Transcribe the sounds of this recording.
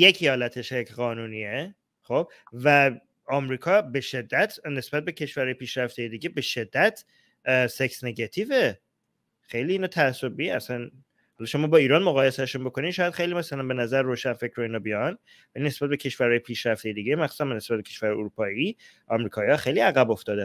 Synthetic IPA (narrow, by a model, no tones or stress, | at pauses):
jecʰjɒːlæt̪ʰeʃekʰɣɒːnuːniːe | xo̞b̥̚ | væ | ɒːmɾiːkʰɒːbe̞ʃe̞d̪ːæt̪ʰne̞sbæt̪̚be̞cʰe̞ʃvæɾhɒːjepʰiːʃɾæft̪ejed̪iːɟebe̞ʃe̞d̪ːæt̪ʰ | seksne̞ɡɑt̪ʰiːfe̞ | xe̞jliːnot̪ʰæːsːob̚bieæsæn | hɒlɒʃʰomɒːbɒːiːɾɒːnmoɣɒːjesæʃunbo̞kʰo̞ninʃɒːjæd̪xe̞jlimæsælænbe̞næzæɾroːʃænfecʰɾɒinɒbijɒn | vælinesbæt̪̚becʰe̞ʃvæɾhɒːjepʰiːʃɾæft̪ejed̪iːɟemæxsu̥ːsæmbnesbæt̪̚becʰe̞ʃvæɾhjuɾupʰɒːi | ʔɒmɾiːkʰɒːihɒxe̞jliæɣæbo̞ft̪ɒːd̪æn